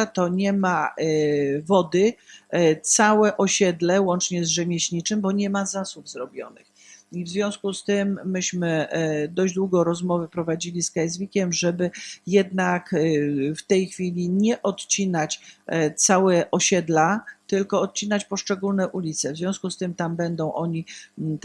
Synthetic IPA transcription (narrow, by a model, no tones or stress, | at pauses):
t̪ɔɲɛma | vɔd̪ɘ | t̪sawɛʔɔɕɛd̪lɛwɔnt͡ʂɲɛzʐɛmʲjɛɕɲit͡ʂɘmbɔɲɛmazasubzɾɔbʲjɔ̰nɘ̰x | ivzvʲjɔ̃w̃skust̪ɘmːɘɕmɘd̪ɔʑd͡ʑd̪wuɡɔɾɔzmɔvɘpɾɔvad͡ʑilʲiskajzʲvʲikʲɛmʐɛbɘjɛd̪nakft̪ɛjxfʲilʲiɲɛʔɔt̪t͡ɕinat͡ɕt̪sawɛʔɔɕɛd̪lat̪ɘlkɔɔt̪̚t͡ɕinat͡ɕpɔʂt͡ʂɛɡulnɛʔulʲit̪sɛvzvʲjɔ̃w̃skust̪ɘmt̪ambɛnd̪ɔ̃w̃ʔɔɲi